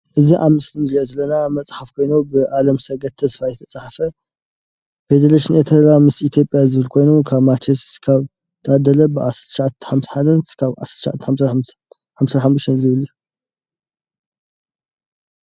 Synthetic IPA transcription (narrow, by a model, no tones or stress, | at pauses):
ʔɨziʔamɨslɨnɾiʔozɐlːɐnamɐt͡sʼħafkʰo̞jnubɨʔalɐmsɐɡɐt̪ʰːɐsfajɛt̪ʰɐt͡sʼaħfɐ | fed̪eɾaʃinʔet̪ʰɐlamɨsit̪ʰjo̞pʼjazɨβɨlkʰo̞jnukʰaβmat͡ʃʰesi̥skʰaβ | t̪ʰaad̪ɐlɐbɨʔasɐt̪ʃaʕat̪ːħamsħad̪ɐnkʰaβʕa̰sɐt̪ʃaʕa̰t̪ːħams | ħamsɐħamːuʃt̪ɐnzɨβɨliju